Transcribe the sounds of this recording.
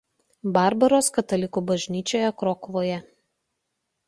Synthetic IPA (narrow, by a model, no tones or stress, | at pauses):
bɑˑɾbɐɾoːskɐt̪ɐlʲɪkuːbɐʒʲnʲiːt͡ʃʲoːjɛkɾɔkʋoːjɛ